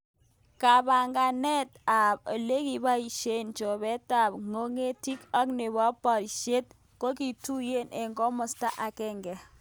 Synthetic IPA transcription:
ka˨ba˨ŋɡa˨nɛ˦t̚a˨p̚ɔ˨le˦ki˨ba˦i˨ʃe˦nt͡ʃɔ˨βɛ˦ta˨p̚ŋo˦ŋe˦ti˦ka˦kne˨βa˦pa˨ɾi˨ʃe˦t̚ | ko˦ki˨tu˦je˦ne˨ŋɡɔ˦mɔ˨sta˦ʔa˨kɛ˦˨ŋɡɛ˨

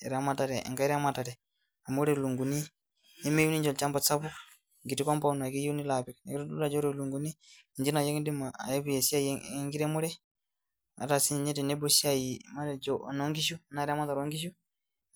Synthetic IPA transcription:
ɛ̰˨ɾa˦ma˨ta˨ɾɛ̰˨ŋɡa˦i˦ɾa˦ma˨ta˨ɾɛ˨ | a˨mu˦ɾe˦˨lu˨ŋɡu˨niː˦ | me˦ju˦ni˦ɲd͡ʒɔ˨lt͡ʃa˦mba˨t͡sa˦pu˦ | ŋɡi˨ti˦kɔ˦mpa˦u˦n˨a˨ki˦ji˦u˦ni˦la˨pi˨kne˨ki˦u˦du˦la˨d͡ʒɔ˦ɾe˦lu˨ŋɡu˨ni˦˨ | ɲd͡ʒi˦na˨je˦kdi˦ma˨a̰˨e˦bi˦je˨si˦a˦jŋɡiɾɛ˦mu˦ɾɛ˦ | a̰˨ta˨si˦˨ɲɛ˦tɛ˨nɛ˦bu˦si˦a˦jima˦ɾd͡ʒɔ˦˨no˦ŋɡi˦ʃ̬u˦na˦ɾa˦ma˦t̪a˨ɾo˦ŋɡi˦ʃ̬u˦

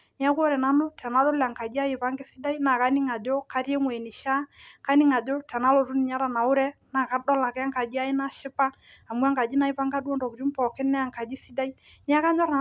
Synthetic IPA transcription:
nɪ˦a˦kʷɔ˦ɾɛ˨na˦nʊ˦tʰɛ˨na˦lo˦lɛ˨a˨ŋka˨d͡ʒi˦a˦jɪ˨pa˦ŋɡɪ˦si˦da˦i˦na˨ka˦ni˦ŋa˨d͡ʒo˦ka˦ɾje˦ŋwe˨nɪ˨ʃa˦ka˦ni˦ŋa˨d͡ʒo˦tʰɛ˨na˦lo˨ɾʊ˦ni˨ɲa˦ɾa˨na˨ʊ˦ɾɛ˦na˨ka˦dɔ˦la˨kɛ˦a˦ŋka˨d͡ʒi˦a˦ɪ˦na˦ʃɪ˦pa˦ | a˨mu˦a˦ŋka˨d͡ʒi˦na˨˦ɪ˦pa˦ŋɡa˦du˦ɔ˦ndɔ˨kɾi˦mpɔ˨kɪ˦nɛ˦a˨ŋka˨d͡ʒi˦si˦da˦i˦ | nɪ˦a˦ka˦ɲɔ˦ɾna˨

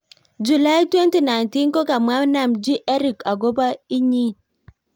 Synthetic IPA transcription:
d͡ʒu˨la˦jtwe˦nti˨na˨jnti˦nko˦ka˨mwa˦na˦˨md͡ʒi˦ʔɛ˦ɾi˨ka˨ɡo˦ba˦i˦ɲi˦

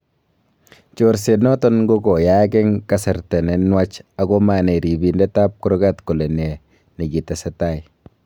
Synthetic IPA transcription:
t͡ʃo˨ɾse˨nɔ˦tɔ˦nɡo˦ɡɔ˨ja˦ɡɛ˦ŋka˦sɛ˨ɾtɛ˨nɛ˨nwa˦t͡ʃa˨ɡɔ˦ma˨nɛ˨ɾi˨bi˨ndɛ˦ta˦p̚kʊ˦ɾɡa˦tko˨le˨nɛ˨ | ni˨ɡi˨tɛ˨sɛ˦ta˦˨ɪ˨

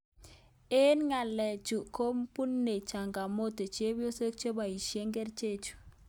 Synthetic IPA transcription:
e˦nŋa˨lɛ˨t͡ʃu˨ko˦mpu˦nːe˨t͡ʃa˨ŋɡa˨mo˦te˨t͡ʃje˦bjo˦so˦k̚t͡ʃe˦ba˨i˨ʃje˦ŋɡe˦ɾt͡ʃe˦˨t͡ʃu̥˨

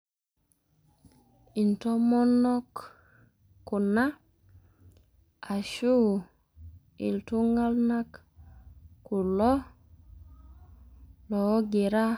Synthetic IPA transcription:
i˨ntɔ˦mɔ˦nɔ˦k | kːu˨na˦ | a˨ʃu˦ | ḭ˨ltu˦ŋɡa˦lna˦k | ku˨lɔ˦ | lɔ˨˦ɡi˨ɾa˦

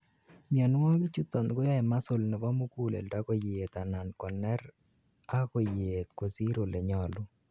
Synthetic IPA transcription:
ɲɔ˨n˦wɔ˦ŋɡi˦t͡ʃu˦t̪ɔ˨nko˦ja˦jma˦so˨lnɪ˨ba˦mu˦ku˦lɛ̰˨lda˦ko˨jet̪a˨na˨nkɔ˨nɛ˦ɾ | a˦ko˨jet̪ko˨si˦ɾo˨lɛ˨ɲɔ˨lʊ˦

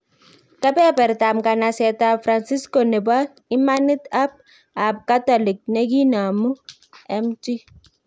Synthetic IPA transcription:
ka˦pɛ˦pɛ˨ɾta˨mka˨na˨sɛ˨ta˨fɾa˨nsi˦sko˨nɛ˨ba˦ | ɪ˦ma˦nɪ˦t̪a˦b̚ | a˨p̚ka˦tɔ˨lɪ˨k̚nɛ˦ɡi˦na˨mu˦ | ɛ˦mti˦

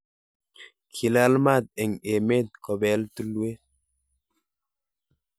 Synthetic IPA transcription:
kʰi˨la˦lma˦˨t̪̚e˨ŋe˨me˦˨t̪̚kɔ˨bɛ˨˦ltu˦lwe˦

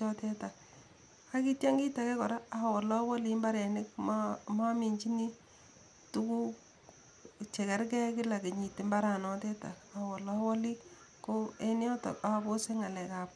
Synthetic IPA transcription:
ɔ˦tɛ˦ta˨ | a˦ki˦tja˦ŋɡi˦ta˨kɛ˦kɔ˨ɾa˦a˨wɔ˨lɔ˦wɔ˦li˦mba˦ɾɛ˨nɪ˦kmma˦mi˨ɲd͡ʒi˦ni˦ | tu˦ku˦ | t͡ʃɛ˨kɛ˦ɾk̬ɛ˦kɪ˦la˨ke˨ɲi˨tɪ˨˦mba˦ɾa˨nɔ˦tɛ˦ta̰˨a˨wɔ˨lɔ˦wɔ˦li˦ | ko˦e˦njɔ˦tɔ̰˨ka˦a˧bo˦se˦ŋa˨lɛ˨ka˨p̚

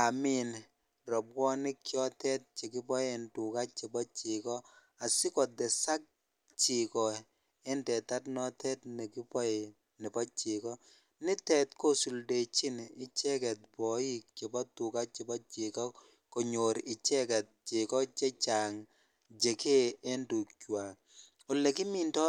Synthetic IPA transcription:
a˨mi˦n | rɔ˨p̚wɔ˦nɪ˦kjɔ˦tɛ˦t̚t͡ʃe˨kɪ˦pɔ˦je˨ntu˨ka˦t͡ʃi˨bɔ˦t͡ʃɪ˨kɔ˦ | a˨sɪ˦kɔ˨dɛ˨sa˦k̚ | t͡ʃɪ˨kɔ˨ | e˦ntɛ˨ta˦tnɔ˦tɛ˦tnɛ˨kɪ˦pɔ˦je˨ | nɪ˨pɔ˦t͡ʃɪ˨kɔ˦ | nɪ˦tɛ˨tko˦su˨lde˨t͡ʃɪ˦nɪ˦t͡ʃɛ˦kɛ˨t̚bɔ˨i˦k̚t͡ʃe˨bɔ˦tːu˨ka˦t͡ʃe˨bɔ˦t͡ʃɪ˨kɔ˦ | kɔ˨ɲo˨ɾɪ˨t͡ʃɛ˦kɛ˨t̚t͡ʃɪ˨kɔ˦t͡ʃe˦t͡ʃa˨ŋ | d͡ʒe˨ke˦e˦ntu˨kt͡ʃwa˨ | ʊ˨lːɛ˨kɪ˦mi˨ntɔ˦

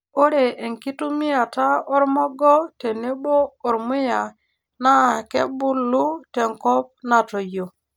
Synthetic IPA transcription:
o˦ɾe˨e˨ŋki˦tu˦mi˦ja˨ta˦o˦ɾmɔ˦ɡɔ˦te˨ne˦ɓo˦o˨ɾmu˦ja˨ | na˦˨kḛ˦bu˦lu˦te˨ŋko˦p̚na˨to˨jo˨

